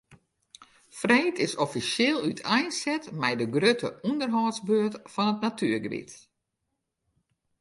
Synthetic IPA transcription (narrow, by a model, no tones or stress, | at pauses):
freːtʰɪsɔfisjɪːlˠytʰɛjnsɛtmɛjdəɡrøtʰəundərɦɔːsbøːətfɔnətnatʰyərɡəbḭt